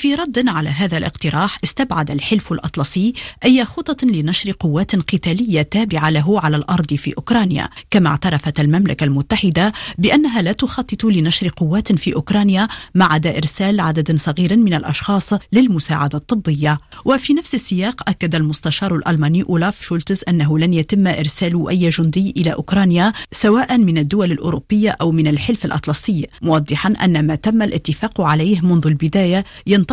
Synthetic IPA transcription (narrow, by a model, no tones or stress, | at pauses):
fiːɾˤɑd̪ːʕalaɦaːðalʔɪ̰qt̪ɪɾˤɑːħʔɪst̪abʕad̪alħɪlfalʔɑt̪ˤlɑsˤiːʔajːaxʊt̪ˤːɑt̪lɪnaʃɾqʊwːaːt̪nqɨt̪aːlɪjːat̪aːbɪʕalaɦʊʕalalʔɑɾˤd̪ˤfḭːʔʊkɾˤɑːnja̰kama̰ʕt̪ɑɾˤɑfat̪almamlakalmʊt̪ːaħɪd̪abɪʔanːaɦalaːt̪ʊxɑt̪ˤːɨt̪ˤlɪnaʃɾqʊwːaːt̪fiːʔʊkɾˤɑːnjamaʕad̪aʔɪɾsaːlʕad̪ad̪nsˤɑɣiːɾmɪnalʔɑ̰ʃxɑːsˤlɪlmʊsa̰ːʕad̪at̪ˤːɨbːɪjːawafinafsɪsːɪjɑːqʔakːad̪almʊst̪aʃɑːɾˤʊlʔɑlmaːniːʔʊlafʃʊlt̪ɪzʔanːaɦʊlanjat̪ɪmːʔɪɾsaːlʊʔajːʒʊnd̪ɪjːʔɪlaʔʊkɾˤɑːnjasawaːʔamɪnad̪ːʊwalɪlʔʊ̰ːɾʊbːɪjːaʔawmɪnalħɪlfalʔɑ̰t̪ˤlɑsˤɪjːmʊwɑd̪ˤːɨħɑnʔa̰nːamat̪amːalʔɪ̰t̪ːɪfɑːqʕalajhmʊnðʊlbɪd̪aːja | jɑnt̪